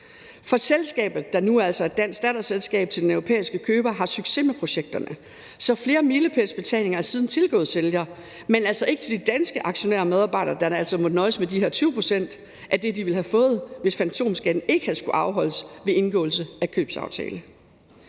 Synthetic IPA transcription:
fɒ̽selsɡ̥ɛ̰ːb̥ð̩ˠd̥ɑ̈nuæl̰sɒæd̥æn̰sd̥ɛd̥ɐselsɡ̥ɛ̰ːb̥̚t͡sʰe̝ld̥enœʊʁo̝pʰḛːisɡ̥əkʰøːb̥ɐɦɑ̈syɡ̥se̝̰mepʰʁo̝ɕeɡ̥̚d̥ɐnə | sɒ̽fle̝ːɐmiːləpʰæsb̥e̝t͡sʰɛ̰ːle̝ŋɐæɐsiːð̞ˠn̩t͡sʰe̝lɡ̥ɔ̰̽ːð̩ˠseljɐː | menæl̰sɒ̽ʔe̝ɡ̥ət͡sʰe̝ld̥id̥ænsɡ̥əʔɑ̈ɡ̥ɕo̝næ̰ːɐmeð̞ˠɑ̈b̥ɑ̈ɪ̰d̥ɐːd̥ænæl̰sɒmɔnɒ̽ɪsmed̥iheɐt͡sʰyːʊpʰʁo̝sen̰d̥ | ʔæd̥e̝d̥iʋe̝lhæfɔ̽ːð̞̩ˠʋe̝sfænt͡sʰo̝̰ːmsɡ̥æd̥n̩e̝ɡ̥əhæð̩ˠsɡ̥uʔɑ̈ʊɦɒ̽l̰əsʋe̝e̝nɡ̥ɔ̰̽ːl̩səækʰøːb̥sɑ̰̈ʊt͡sʰɛ̰ːlə

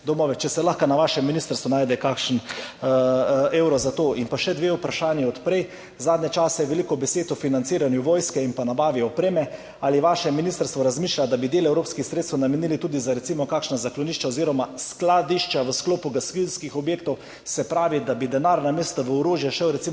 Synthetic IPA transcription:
d̪ɔmɔːʋɛt͡ʃɛsɛlaxkanaʋaːʃɛmːiniːst̪əɾst̪ʋunaːjd̪ɛkakʃn | ewɾɔzat̪oːʔinpaʃɛd̪ʋeːupɾaʃaːnjiɔt̪pɾɛj | zaːd̪nɲɛt͡ʃaːsɛʋɛlikɔbɛseːt̪ɔfinant̪siːɾanjuʋoːjskɛinpanabaːʋiɔpɾeːmɛ | aliʋaʃɛminiːst̪əɾst̪ʋɔɾazmiːʃlʲad̪abid̪eːlɛwɾoːpskixsɾet̪st̪namɛniːlit̪uːd̪izaɾɛt̪simɔkaːkʃnazaklɔniːʃt͡ʃaoziːɾɔmasklad̪iʃt͡ʃaʋəskloːpuɡaskilskixɔbjeːk̚t̪ɔw | sɛpɾaːʋid̪abid̪ɛnaɾnameːst̪aʋəɔɾoːʒjɛʃɛwɾɛtsi

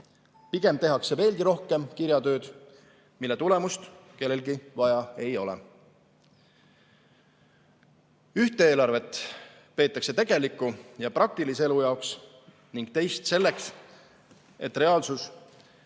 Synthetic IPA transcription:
piɡ̥e̞mt̪eɦɑkse̞ve̞ːlɡiɾo̞hke̞mkiɾjɑt̪ø̞ːd̪̥ | milːe̞t̪ule̞must̪ke̞lːe̞lɡivɑjɑe̞jo̞̰lɛ̰ | yht̪eeːlɑrve̞t̪ːˑ | pe̞ːt̪ːˑɑkse̞t̪e̞ɡ̥e̞likːˑujɑprɑk̚t̪ilisee̞lujɑoks | niŋɡ̥t̪e̞jst̪se̞lːeks | e̞t̪ːˑre̞ɑːlsus

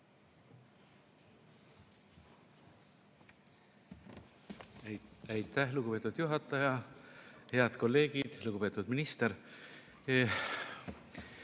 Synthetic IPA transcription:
æjt̪ːˑæhluɡ̥upe̞ːt̪ːud̪̥juɦɑt̪ˑːɑjɑ | heɑd̪̥ko̞lːe̞ːɡid̪̥luɡupe̞ːt̪ːˑud̪̥minist̪eɾ

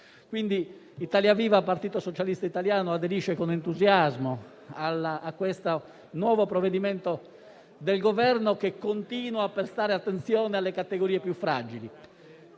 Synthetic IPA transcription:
kwind̪i | it̪aːljaviːvapart̪iːt̪osot͡ʃalist̪ait̪aljaːnoad̪eɾiʃːekonent̪uzjazmo | alaakːwest̪o | nwɔːvopɾovːed̪imɛnt̪o | d̪elɡovɛrnokekːont̪iːnwaːpeɾst̪aːɾeat̪ːent̪sjɔːnealːekat̪ːeɡoɾiːepjufːɾad͡ʒili

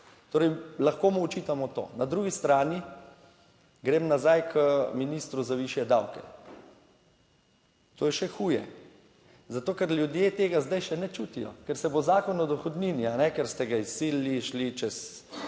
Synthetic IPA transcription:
t̪oːɾɛjlaxkoːmuɔt͡ʃiːt̪amɔt̪o̰ːnad̪ɾuːɡist̪ɾaːni | ɡɾeːmnazajkʰəminiːst̪ɾuzaʋiʃjɛd̪awkɛ̰ | t̪oːjɛʃɛxuːjɛ | zat̪oːkɛɾlʲjud̪jeːt̪eːɡazd̪ajʃɛnɛt͡ʃuːt̪ijɔ̰kɛɾsɛbozaːkɔnɔd̪ɔxɔd̪ninianɛkɛɾst̪ɛɡaisiliʃlit͡ʃɛs

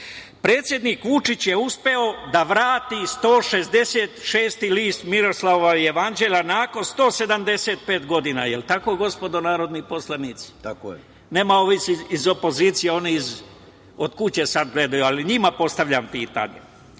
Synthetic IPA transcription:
pɾe̞ːt̪sje̞d̪niːkʋut͡ʂit͡ɕjeuspe̞o̞d̪aʋɾaːt̪ist̪o̞ːʃe̞zd̪e̞seːt̪ʃeːst̪iliːst̪miɾo̞slaoʋaijeʋand͡ʒe̞ʎanaːko̞nst̪o̞ːse̞d̪amd̪e̞se̞ːt̪̚pe̞ːt̪ɡo̞d̪iːna̰jelt̪ako̞ɡo̞spo̞d̪o̞naːɾo̞d̪nipo̞slˠaniːt̪si̥ | ne̞ːmaoʋisiizo̞po̞ziːt̪sijeo̞niiz | od̪kut͡ɕe̞sad̪ɡle̞d̪ajualiɲimapo̞st̪aʋʎʲampiːt̪a̰ɲḛ

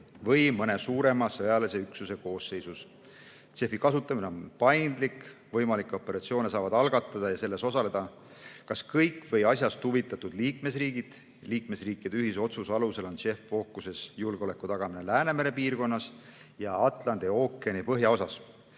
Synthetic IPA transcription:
vɤjmɤne̞suːɾe̞mɑsɤjɑlese̞yksuse̞ko̞ːsːe̞jsus | se̞fikɑsut̪ːˑɑmine̞o̞npɑjnd̪̥likvɤjmɑlikˑːo̞pːˑe̞ɾɑt̪sio̞ːne̞sɑːvɑd̪ɑlɡ̥ɑt̪ːˑɑd̪̥ɑjɑse̞lːe̞so̞sɑle̞d̪̥ɑ | kɑskɤjkːˑvɤjɑsʲjɑst̪huvit̪ːˑɑt̪ud̪liːkme̞sriːɡ̥id̪̥ | liːkme̞sriːkːˑid̪eyɦiso̞t̪susɑluse̞lo̞nse̞fːo̞kːˑuse̞sjulɡeo̞le̞kːˑut̪ɑɡ̥ɑmine̞læːne̞me̞ɾe̞piːrko̞nːɑs | jɑɑt̪ˑlɑnd̪̥io̞ːkːˑeenipɤɦjɑo̞sɑs

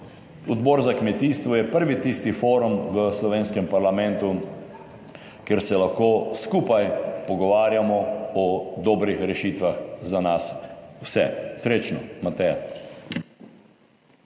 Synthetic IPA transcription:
ɔd̪bɔɾzakmɛt̪iːst̪ʋɔjɛpəɾʋit̪ist̪ifoːɾumʋəslɔʋeːnskɛmpaɾlamɛnt̪u | keɾsɛlaxkoːskuːpajpɔɡɔʋaːɾjamɔɔd̪ɔːbɾixɾɛʃiːt̪ʋaxzanaswsɛ̰sɾeːt͡ʃnɔ̰mat̪ɛa

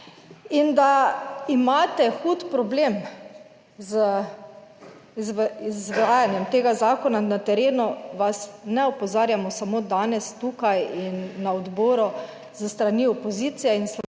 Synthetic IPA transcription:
ind̪aimaːt̪ɛxuːt̪pɾɔbleːm | zə | zizʋɾaːjanjɛmt̪eːɡazaːkɔnanat̪ɛɾeːnuʋasnɛɔpɔzaːɾjamɔsamoːd̪aːnɛst̪ukajinːaɔd̪bɔːɾɔ | zəst̪ɾaniɔpɔzit̪sijɛinst̪

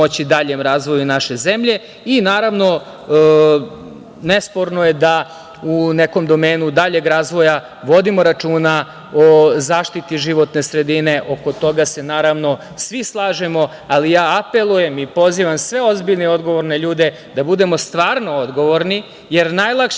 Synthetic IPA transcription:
ot͡ɕid̪aʎemɾaːzʋo̞junaʃe̞ze̞mʎe̞ | inaːɾaʋno̞ | ne̞spo̞ɾno̞je̞d̪a | uneko̞md̪o̞meːnud̪aʎe̞ɡɾaːzʋo̞ja | ʋo̞d̪imo̞ɾat͡ʂuːna | ozaːʃt̪it̪iʒiʋo̞t̪ne̞sɾe̞d̪ine̞ʔo̞kot̪o̞ɡase̞naːɾaʋno̞ | sʋislˠaːʒe̞mo̞ | alijaːape̞lˠuje̞mipo̞ziʋamsʋe̞o̞zbiʎneo̞d̪ɡo̞ʋoɾne̞ʎuːd̪e̞ | d̪abud̪e̞most̪ʋaːɾno̞od̪ɡo̞ʋo̞ɾni | je̞ɾnajlˠakʃ

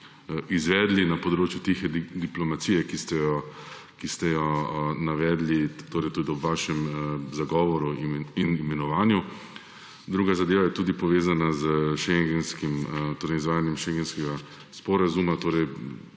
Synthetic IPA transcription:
izʋɛːd̪linapɔd̪ɾoːt͡ʃjut̪ixɛd̪d̪iplɔmat̪sijɛkist̪ɛjɔ | kist̪ɛjɔnaʋɛːd̪lit̪oːɾɛjt̪uːd̪iɔbʋaːʃɛmzaɡɔːʋɔɾuiinimɛnɔʋaːnju | d̪ɾuːɡazad̪eːʋajɛt̪uːd̪ipɔʋeːzanazəʃɛŋɡɛnskimt̪oːɾɛɪjizʋaːjanjɛmʃɛŋɡɛnskɛɡa | spɔɾazumat̪oːɾɛj

